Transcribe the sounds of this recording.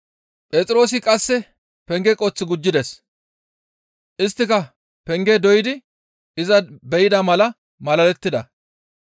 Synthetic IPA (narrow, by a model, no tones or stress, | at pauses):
pʼet͡sʼɪɾo̞ːs̬ɪkʼɐsːɛ | pɛŋɡɛkʼot͡sːɪɡʊd͡ʒːɪd̪ɛs | ʔɪst̪ːɪkɐ | pɛŋɡɛd̪ɔjɪd̪ɪ | ɪzɐbɛjɪd̪ɐmɐlɐ | mɐlɐlɛt̪ːɪd̪ɐ̰